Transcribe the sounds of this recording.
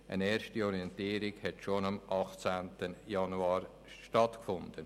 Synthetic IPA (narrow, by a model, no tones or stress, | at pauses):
ʔə̰neːɾʃtiɔɾiɛntiːɾiɡhɛtʃonɑmʔɑχt͡sæːntəjɑnuɑːɾ | ʃtɑtkfʊnd̥ən